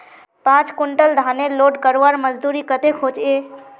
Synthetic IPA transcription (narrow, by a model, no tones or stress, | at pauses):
pãt͡ʃkʊɳʈəld̪ʱaneloːɖkəɾʋaɾməd͡ʒd̪uɾikət̪ekʰot͡ʃe